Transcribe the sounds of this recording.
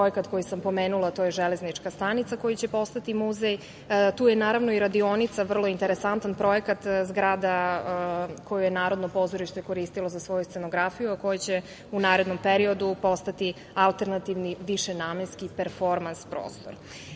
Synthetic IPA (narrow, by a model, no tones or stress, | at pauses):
pɾoekat̪ko̞jisampo̞meːnulˠat̪ojeʒeleznit͡ʂkast̪anit̪sako̞jit͡ɕe̞po̞st̪at̪imuzej | t̪uːjenaːɾaʋno̞iɾad̪ionit̪saʋr̩lˠo̞int̪eɾesant̪anpɾo̞jekat̪zɡɾaːd̪a | ko̞jujenaːɾo̞d̪nopo̞zoɾiʃt̪oeko̞ɾist̪ilo̞zasʋo̞just̪senoɡɾafijuako̞jit͡ɕe | unaːɾed̪no̞mpeɾio̞d̪upo̞st̪at̪i | alˠt̪e̞ɾnat̪iʋniʋiʃenaːmenskipeɾfo̞ɾmanspɾo̰ːst̪o̰ɾ